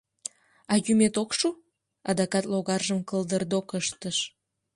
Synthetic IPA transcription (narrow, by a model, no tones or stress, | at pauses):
ɑjymet̪okʃu | ɑd̪ɑkɑt̪loɣɑrʒəmkəld̪ərd̪okəʃt̪əʃ